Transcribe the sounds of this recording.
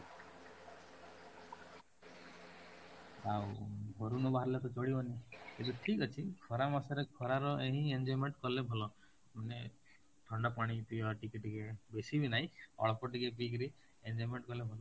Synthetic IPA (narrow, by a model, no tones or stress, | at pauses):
awɦoɾunɔbaɦaɾlet̪ɔt͡ʃoɽiɔniket̪uʈʰikɔt͡ʃʰikʰɔɾamasɔɾekʰɔɾaɾɔʔeɦĩend͡ʒɔjmeɳʈkɔlebʱɔlɔ | mane | ʈʰɔɳɖɔpaɽ̃ip̪iaʈikiʈikebesibʱinaɦĩɔ̰ɭɔpɔʈikep̬ik̬ɾi | end͡ʒɔjmeɳʈkɔlebʱɔlɔ